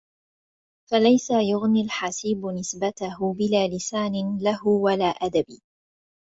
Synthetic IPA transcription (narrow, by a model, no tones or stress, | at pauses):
falajsajʊɣnilħasiːbnɪsbat̪ahʊbɪlaːlɪsaːnɪlahʊwalaːʔad̪abiː